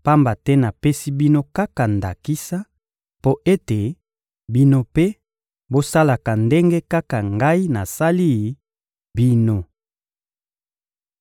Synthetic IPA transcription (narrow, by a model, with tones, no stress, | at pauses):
pa˦mba˨tɛ˦na˨pe˦si˦bi˦no˦ka˦ka˨nda̰˨ki˦sa˦ | po˦ʔe˦te˨ | bi˦no˦pe˦ | bo˦sa˦la˨ka˨nde˦ŋɡe˦ka˦ka˨ŋɡa˦i˦na˨sa˦li˦˨ | bi˦no˦